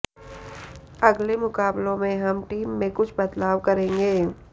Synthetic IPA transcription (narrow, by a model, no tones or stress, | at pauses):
ɐɡlemʊkaːblõmẽɦɐmʈiːmːẽkʊt͡ʃʰbɐt̪laːʋkɐɾẽːŋɡeː